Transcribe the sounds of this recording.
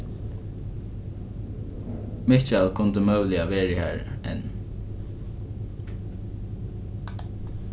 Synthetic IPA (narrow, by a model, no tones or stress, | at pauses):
mɪt͡ʃɛlkʰʊnt̪əmœwlɪaʋeːɹɪhæ̰ːɹʔɛ̰n